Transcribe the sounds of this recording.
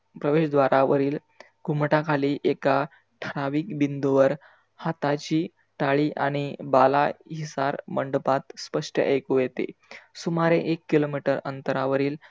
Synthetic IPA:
pɾəʋeɕd̪ʋaɾaʋəɾiːl | ɡʱumʈakʰaliːʔeka | ʈʰəɾaʋiːkbind̪uʋəɾ | hat̪at͡ɕiː | ʈaɭiːʔa̰ɽ̃ibalaɦisaɾməɳɖəpat̪spəʂʈə̰ʔəjkujet̪ḛsumaɾeʔekːilomiʈəɾə̰nt̪əɾaʋəɾiːl

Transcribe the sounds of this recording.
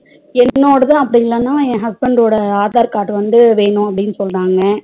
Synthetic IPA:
ɛnːoːɽɐðãːɐpːɐɽɪɪlːɐnːãːẽːɦɐsbɛɳɖoːɽɐaːðaːɾkaːʈːɯʋɐnd̪ɯʋeːɳʊ̃ɐpːɐɽɪnːɯsɔlːɾaːŋɡɐ

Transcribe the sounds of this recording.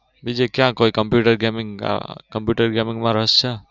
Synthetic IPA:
bid͡ʒekjãkoːikəmpjuːʈəɾɡemɪ̃ŋ̰kəmpjuʈəɾɡemɪ̃ŋɡmãɾəɦəst͡ʃʰa

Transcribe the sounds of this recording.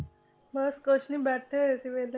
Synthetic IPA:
bəskəɕnĩːbæʈ̪ʰet̪iʋel

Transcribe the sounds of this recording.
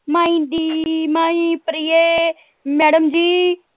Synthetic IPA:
maːĩɖiːmaːĩːpɾijeː | mɛːɽəmd͡ʒiː

